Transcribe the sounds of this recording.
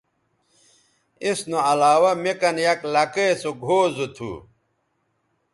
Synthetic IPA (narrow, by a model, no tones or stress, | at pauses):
isnoɐlaːwɐmekɐnjɐklɐkesoɡʱoːzut̪ʰṵː